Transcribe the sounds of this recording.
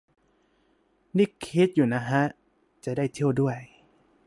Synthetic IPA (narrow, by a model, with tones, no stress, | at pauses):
ni˦˥˩kʰːi˦˥t̪̚juː˨˩na˦˥ɦa˦˥ | t͡ɕa˨˩daː˥˩jt̪ʰi˥˩əwdu˥˩əj